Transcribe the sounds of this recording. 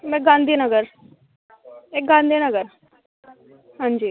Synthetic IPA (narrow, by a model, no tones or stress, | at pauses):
mɛ̃ɡãːnd̪iːnəɡəɾ | ek̚ɡãːnd̪iːnəɡəɾ | ɦãːɲd͡ʒiː